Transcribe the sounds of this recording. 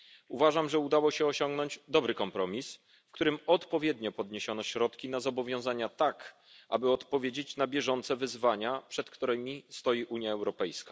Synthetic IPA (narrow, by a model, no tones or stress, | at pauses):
uvaʐamʐɛud̪awɔɕɛɔɕɔŋɡnɔɲd͡ʑd̪ɔbɾɘkɔmpɾɔmʲis | fkt̪uɾɘmɔt̪pɔvʲjɛd̪ɲɔpɔd̪ɲeɕɔnɔɕɾɔt̪kʲinazɔbɔvʲjɔ̃w̃zaɲat̪ak | ʔa̰bɘɔt̪pɔvʲjed͡ʑet͡ɕnabʲjɛʐɔnt̪sɛvɘzvaɲapʂɛt̪kt̪uɾɛmʲist̪ɔjiʔuɲjaɛwɾɔpɛjskḁ